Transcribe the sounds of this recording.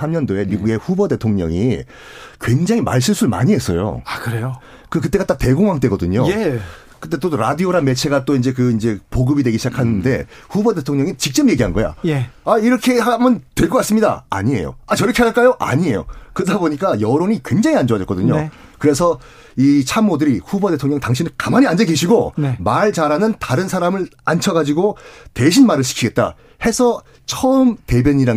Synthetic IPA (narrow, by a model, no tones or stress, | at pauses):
sʰamɲʌndoe̞miɡuɡe̞ɸubʌde̞tʰoŋɲʌ̰ŋi | kwe̞ŋd͡ʑaŋima̰ɭs̬͈ɯɭs͈uɭma̰ɲiɦe̞s͈ʌ̰jo̰akɯɾejo | kɯk̬ɯt͈e̞ɡat͈ak̚te̞ɡoŋɦaŋt͈we̞ɡʌdɯɲoe | kɯt͈e̞t͈odoɾadioɾanme̞t͡ɕʰe̞ɡat͈oind͡ʑe̞k̬ɯind͡ʑe̞poɡɯbidwe̞ɡiɕʰid͡ʑakʰanɯnde̞ | ɸubʌde̞tʰoŋɲʌŋit͡ɕik̚t͡ɕ͈ʌmje̞ɡiɦanɡʌja̰jeaiɾʌkʰe̞ɦamʌntwe̞ɭkʌk͈as͈ɯmɲida̰a̰ɲie̞̰jo̰at͡ɕʌɾʌkʰeaaɭk͈ajoʔa̰ɲie̞jo̰kɯdaboɲik͈ajʌɾoɲikwe̞ŋd͡ʑaŋiand͡ʑoad͡ʑʌk͈ʌdɯɲo̰ | kɯɾe̞sʰʌ | it͡ɕʰamːodɯɾiɸuboʌde̞tʰoŋɲʌŋtaŋɕʰinɯkamaɲiand͡ʑeɡeɕʰiɡoemaɭt͡ɕaɾanɯntaɾɯnsʰaɾamɯɭa̰nt͡ɕʰʌɡad͡ʑiɡote̞ɕʰinmaɾɯɭɕʰi̥kʰiɡe̞t̚t͈a̰ | he̞sʰʌ | t͡ɕʰʌɯmte̞bjʌɲiɾa